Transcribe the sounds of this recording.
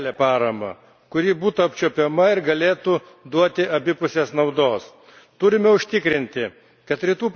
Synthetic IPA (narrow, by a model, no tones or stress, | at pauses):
lʲeːpɑːɾɐmɐ̰ | kʊɾʲiːbuːt̪uɐpʲt͡ʃʲopʲɛmɐɪɾɡɐlʲeːt̪u | d̪uɔt̪ʲɪɐbʲɪpʊsʲeːsnɐʊd̪oːs | t̪ʊɾʲɪmʲɛʊʃʲt̪ʲɪkɾʲɪnʲt̪ʲɪ | kɐt̪ɾʲɪt̪uːp